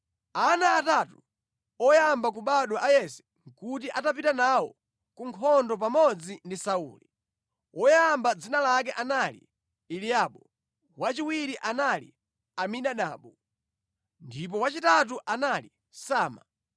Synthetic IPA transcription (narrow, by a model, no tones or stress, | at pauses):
anaːtatu | ɔjambak̬uɓaɗɔʔajɛsɛ̥ | ŋkutiʔatapitanawɔ | kuŋkʰɔndɔp̬amɔd͡zindisaṵːli | ɔjambad͡zinalak̬ɛʔanalḭ | ilijaɓɔ | wat͡ʃiwiɾiʔanalḭ | amiɗaɗa̰ːɓɔ | ndip̬ɔwat͡ʃitat̬uʔanali | saːma̰